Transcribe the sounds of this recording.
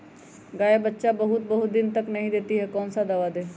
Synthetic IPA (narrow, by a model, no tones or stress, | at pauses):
ɡaːjebətːʃabɐɦʊt̪̚bəɦʊt̪̚d̪ɪnt̪əknɐɦĩd̪eːt̪iɦɛkɔːnsad̪aːʋaːd̪eː